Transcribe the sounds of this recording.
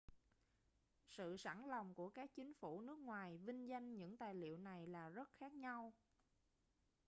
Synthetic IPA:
sɨ̰˧˨sa˧˩ŋlɔ˨˩wŋ͡mku˧˩əkaː˦˥k̚t͡ɕï˨˦ŋ̟fu˧˩nɨ˦˥ək̚ŋwaː˨˩jvï˧ŋ̟za˧jŋ̟ɲɨ̰˧˥ŋt̪aː˨˩jlḭ˧˨əwna˨˩jlaː˨˩zə˦˥t̚xaː˦˥k̚ɲa˧w

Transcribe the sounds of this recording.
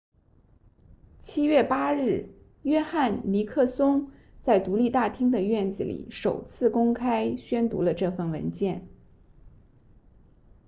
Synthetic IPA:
t͡ɕʰi˥ɥɛ˥˩pa˥ɻɻ̩˥˩ | jɥɛ˥xa˥˩nli˧˥kʰɤ˥˩sʊ˥ŋ | t͡sa˥˩ɪt̪u˧˥li˥˧t̪a˥˩t̪ʰi˥ŋd̪ə˨ɥɛ˥˩nt͡sɹ̩˩lḭ˨˩˦ʂo˨˩ʊt͡sʰɹ̩˥˩kʊ˥ŋkʰa˥ɪɕɥɛ˥nt̪ṵ˧˥lə˧ʈ͡ʂɤ˥˧fə˥˩nwə̰˧˥nt͡ɕjɛ˥˩n

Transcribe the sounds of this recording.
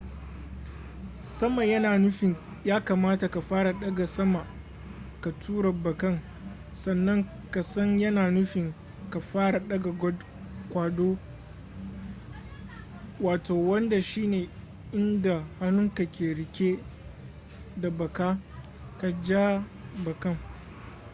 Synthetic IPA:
sɐ˦ma˨jɐ˦naː˨nʊ˦ɸɪ˨ŋ | jaː˦ka˨maː˦ta˨ka˨ɸaː˦ɾa˨ɗɐ˦ɡa˨sɐ˦ma˨ | ka˨tʰuː˦ɽa˨bɐ˨kɐ˦ŋ | sɐ˨nːɐ˦ŋ | ka˨sɐ˦ɲjɐ˦naː˨nʊ˦ɸɪ˨ŋ | ka˨ɸaː˦ɽa˨ɗɐ˦ɡa˨ɡɔ˦d | kʷaː˨doː˦ | waː˨tʰoː˨wɐ˦nda˨ʃiː˦neː˨ | ʔɪ˦nda˨ha˦nʊ˦ŋka˨kʲeː˨ɽɪ˨kʲe˦ | da˨bɐ˨kaː˦ | ka˨d͡ʒaː˦bɐ˨kɐ˦ŋ

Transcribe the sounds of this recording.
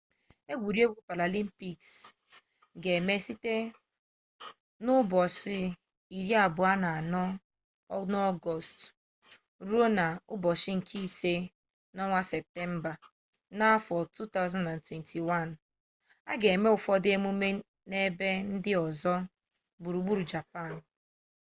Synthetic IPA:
e˦ɡʷu˨ɾi˦e˦ɡu˦pa˨la˨li˦m̩˦pi˨ks | ɡe˨me˦si˦te˦ | nʊ˦bɔ˨sɪ˦ | i˨ɾi˦a˨bʊ˨a˦na˨a˨nɔ˦ | nɔ˦ɡɔ˨st | ɾu˦o˦na˨ʊ˦bɔ˨sɪ˦ŋ̩˨kʰi˦se˦ | nɔ˦ŋʷa˦se˨p̚te˦m̩˦ba˨ | na˦fɔ˨tu˦ta˦ʊ˦zã˦ndã˨ntwe˨ntʰi˨wa˦˨n | a̰˦ɡe˨e˨me˦ʊ˨fɔ˦dɪ˦e˦mu˦me˦ | ne˦be˦n̩˦dɪ˦ɔ˨zɔ˦ | bu˨ɾu˨ɡ͡bu˦ɾu˨d͡ʒa˨pa˦˨n˨

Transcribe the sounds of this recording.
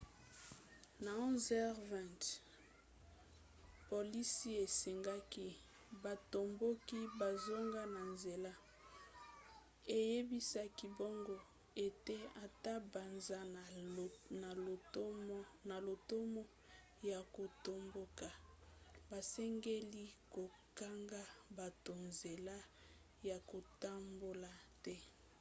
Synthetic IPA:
na˨ɔ̃˦zɛ˦ʁvɛ̃˨nt | po˨li˦si˦e˨se˨ŋɡa˦ki˦ | ba˨to˨mbo˦ki˦ba˨zo˦ŋɡa˦na˨nze˨la˦ | e˨je˦bi˦sa˦ki˦bo˦ŋɡo˦ | e˨te˦a˨ta˦ba˨nza˦˨na˨˦ | na˨lo˨to˦mo˦ | ja˨ko˨to˦mbo˦ka˨ | ba˨sɛ˦ŋɡe˦li˦ko˨ | ka˦ŋɡa˦ba˨to˨nze˨la˦ | ja˨ko˨ta˦mbo˦la˨tɛ˦

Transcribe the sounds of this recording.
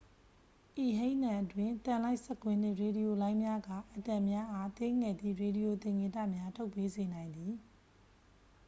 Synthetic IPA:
ʔi˨ɦẽ˦ɪ̃nã˨ʔətwɪ̃˦˨tã˨la˦ɪʔsɛ˦˨kwɪ̃˦n̥ɪ̰̃˦˨ɹe˨ɾi˨jo˨lã˦ɪ̃mja˦ɡa̰˦˨ʔə˨tã˨mja˦ʔa˦t̪e˦ŋɛ˨d̪ḭ˦˨ɹe˨ɾi˨jo˨t̪ɪ̃˨ŋẽ˨tä̰˦˨mja˦tʰo˦ʊpːe˦ze˨nã˨ɪ̃nd̪i˨

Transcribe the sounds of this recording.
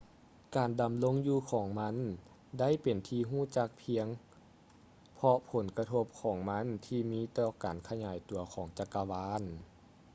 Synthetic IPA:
kaː˨˩nda˨˩mlo˧˥˨ŋjuː˧kʰɔː˩˦ŋma˧˥n | da˥˨jpe˨˩nt̪ʰiː˧ɦuː˥˩˨t͡ɕa˧k̚pʰi˧əŋ | pʰɔ˧pʰo˨˦nka˧t̪ʰo˧˥p̚kʰɔː˩˦ŋma˧˥˨nt̪ʰiː˧miː˧˥˨t̪ɔː˧˩kaː˨˩nkʰa˧ɲaː˨˩jt̪u˨˩ɐkʰɔː˩˦ŋt͡ɕa˧kːa˧waː˧˥n

